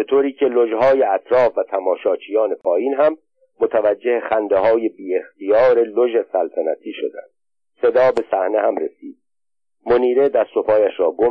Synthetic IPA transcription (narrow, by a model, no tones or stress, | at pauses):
bet̪ʰoːɾiːcʰe̞loʒɦɒːjeæt̪ʰɾɒːfvæt̪ʰæmɒːʃɒːt͡ʃʰijɒːne̞pʰɒːjiːnɦæmː | ot̪ʰævæd͡ʒːe̞heχænd̪eɦɒːje̞biːe̞xt̪ʰijɒːɾe̞loʒe̞sælt̪ʰænæ̰t̪ʰiːʃod̪æ̰nd̪̥̚ | se̞d̪ɒːbe̞sæhne̞hæmɾesḭːd̪̥̚ | moniːɾe̞d̪æst̪o̞pʰɒːjæʃɾɒːɡo